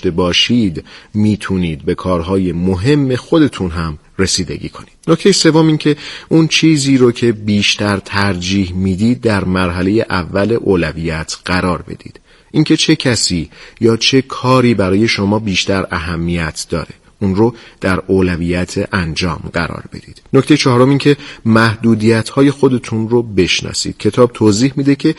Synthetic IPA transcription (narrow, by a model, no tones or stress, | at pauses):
t̪ebɒːʃid̪miːt̪ʰuniːd̪̚be̞kʰɒːɾɦɒːje̞moɦe̞mːe̞xo̞d̪e̞t̪ʰunɦæm | re̞siːd̪e̞̰ɟiːkʰo̞niːd̪̥nocʰt̪e̞jese̞vːomiːncʰe̞ʔunt͡ʃʰiːziːɾocʰe̞biːʃt̪æɾt̪ʰæɾd͡ʒiːhmiːd̪iːd̪̚ːæɾmæɾɦæle̞je̞ʔævːæle̞ʔoːlæviːjæt̪ʰɢ̥æɾɒːɾbe̞̰d̪ḭːd̪̥ | ʔincʰe̞t͡ʃʰe̞cʰæsiːjɒːt͡ʃʰe̞kʰɒːɾiːbæɾɒːje̞ʃo̞mɒːbiːʃt̪æɾæɦæmːijæt̪ʰd̪ɒ̰ːɾe̞ | unɾod̪̥æɾoːlæviːjæt̪ʰeʔænd͡ʒɒ̰ːmɢæ̰ɾɒ̰ːɾb̥e̞̰d̪iːd̪̥noct̪ejet͡ʃʰɒɦɾo̞miːncʰe̞mæhd̪uːd̪ijæt̪hɒːje̞xo̞d̪e̞t̪ʰunrobe̞ʃnɒ̰ːsḭːd̪̥cʰe̞t̪ʰɒːb̚t̪ʰoːziːhmid̪ecʰe̞